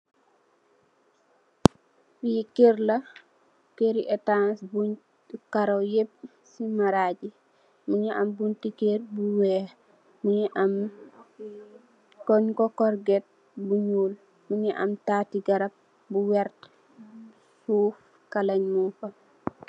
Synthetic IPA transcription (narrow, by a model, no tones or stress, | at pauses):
fujikːeɾlɐ | keɾiʔɛtansbuɲ | kaɾowjep̚ | simaɾaːɟi | muɲiʔɐmbuntikeːrbuwɛː | muɲiʔɐm | kɔɲkɔkɔɾɡɛt̚ | buɲuːl | muɲiʔɐ̰mtaːtiɡɐɾɐp̚ | buwɛɾt | huːf | kalɐɲmufɐ